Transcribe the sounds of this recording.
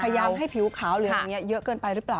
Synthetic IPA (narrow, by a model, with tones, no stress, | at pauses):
kʰːjjaː˧mɦa˥˩jpʰi˨˩˦wkʰaː˩˦wlɯː˨˦a˨˩ŋi˦˥ɐjɤ˦˥kɤː˧npa˧jɾɯ˦˥plaː˨˩w